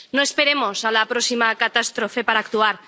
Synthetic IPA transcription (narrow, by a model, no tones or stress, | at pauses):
noe̞spe̞ɾemo̞salapɾosimakat̪ast̪ɾofe̞paɾaːkt̪uaɾ